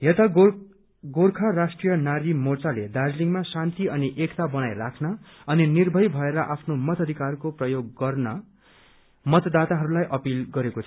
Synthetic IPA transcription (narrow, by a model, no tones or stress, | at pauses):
ɦet̪ʌ | ɡorkʰarasʈrijʌnaɾimort͡saled̪ad͡zliŋmasant̪iʌniʔekt̪abʌnajrakʰnʌ | ʌninirbʱʌjbʱʌeɾʌʔapʰnomʌt̪ʰʌd̪ʱikarkoprʌjoɡːʌrnʌ | mʌt̪d̪at̪aɦʌɾulajʔʌpilɡʌɾekot͡sʰʌ